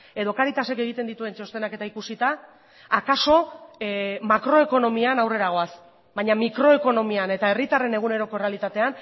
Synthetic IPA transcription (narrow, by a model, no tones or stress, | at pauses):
e̞ðo̞kaɾit̪ase̞ke̞ɣ̞it̪e̞nd̪it̪ue̞nt͡ʃo̞st̪e̞nake̞t̪aikusit̪aː | kaso̞ | makɾo̞e̞ko̞no̞mianawre̞ɾaɣo̞as | bajɲamikɾo̞e̞ko̞no̞miane̞t̪ae̞rit̪are̞ne̞ɣ̞une̞ɾo̞ko̞re̞alit̪at̪e̞an